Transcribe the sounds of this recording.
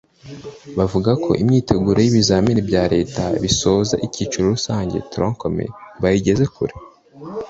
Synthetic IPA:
βavuɡakʰo̞̰ʔimɲiːte̞ɡuɾejiβizaːminibɟaːɾe̞ːtaβiso̞ːza̰ʔiciːt͡ʃuɾoɾusaːɲɟe̞̰tɾõŋkomḛβajiɟe̞ze̞kṵɾe

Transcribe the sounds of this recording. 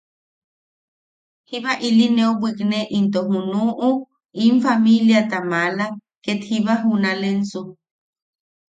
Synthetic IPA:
hiβaʔilineobwikneʔint̪oɦunuʔu | iɱfamiljat̪amala | ket̪hiβaɦunalenso

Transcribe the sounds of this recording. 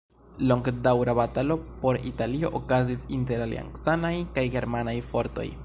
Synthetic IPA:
lo̞ŋɡdawɾabatalo̞po̞ɾitalio̞ʔokazisinte̞ɾalḭa̰ŋksanajkajɡe̞ɾmanajfo̞ɾto̞̰j

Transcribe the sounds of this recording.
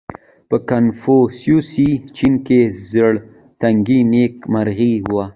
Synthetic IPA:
pəkanfosjusit͡ʃinkezəɽ | t̪aŋɡinekmaɾɣiwa

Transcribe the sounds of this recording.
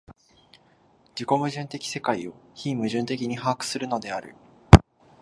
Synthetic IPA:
d͡ʑiko̞mɯ̟ʑɨ̃nt̪e̞kʲi̥se̞kaio̞çimɯ̟ʑɨ̃nt̪e̞k̬ʲiɲ̟iɦaːkɯ̟̥sɨɾɯ̟no̞d̪e̞aɾɯ̟̰

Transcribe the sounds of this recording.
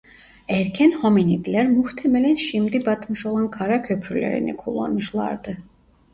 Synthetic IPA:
æɾcʰænhominid̪lʲæɾmuht̪ʰɛmælænʃimd̪ibɑt̪mɯʃo̞lˠɑnkʰaɾakʲʰøpʰɾylʲḛɾḭnḭkʰulˠːa̰nmɯʃlˠɑ̰ɾd̪ɯ

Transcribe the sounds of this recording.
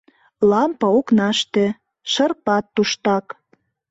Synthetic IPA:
lɑmpɑoknɑʃt̪ĕ | ʃə̆rpɑt̪ːuʃt̪ɑk

